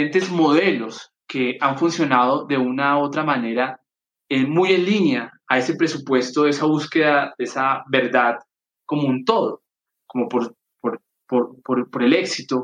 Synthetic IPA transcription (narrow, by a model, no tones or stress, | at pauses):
ent̪ezmo̞ðe̞lo̞s | ke̞aɱfunsjo̞naðo̞ðe̞unao̞t̪ɾamane̞ɾa | emuje̞nlinjaːe̞se̞pɾe̞supwe̞st̪o̞ðesaβuske̞ðaðeesabe̞ɾd̪að | ko̞muunt̪o̞ðo | ko̞mopoɾ | poɾ | poɾpoɾpo̞ɾe̞le̞ksit̪o